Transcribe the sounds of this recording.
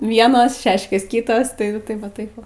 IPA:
ˈʋʲiɛnoːs ˈʃʲæːʃʲkʲeːs ˈkʲɪtoːs tɐɪ ˈjɛɪɡʊ ˈtɐɪp ˈʋɐ ˈtɐɪp ˈʋɐ

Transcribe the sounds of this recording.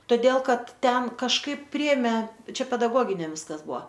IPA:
toːˈdʲeːlˠ ˈkɐt ˈtʲɛn kɐʃˈkɐɪp ˈpʲrʲɪeːmʲeː ˈt͡ʃʲɛ pʲɛdɐˈɡoːɡʲɪnʲɛm ˈʋʲɪskɐs ˈbʊɐ

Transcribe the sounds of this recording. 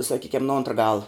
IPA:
sɐˈkʲiːkʲɛm nʊ ˈoːntrɐ ˈɡɑːlˠɐ

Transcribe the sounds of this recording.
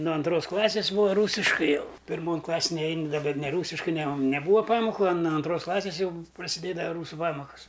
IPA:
nʊ ɐnˈtroːs ˈklˠɑːsʲɪs ˈbuːɐ ˈruːsʲɪʃkɐɪ ˈjɛʊ pʲɪrˈmoːn ˈklˠɑːsʲeːn nʲɛˈɛɪn dɐ bʲɛt nʲɛˈruːsʲɪʃkɐɪ nʲɛ oːn nʲɛˈbuːɐ ˈpɑːmoːkʊ ɐ nʊ ɐnˈtroːs ˈklˠɑːsʲɪs ˈjɛʊ prɐsʲɪˈdʲeːdɐʋɐ ˈruːsʊ ˈpɑːmoːkɐs

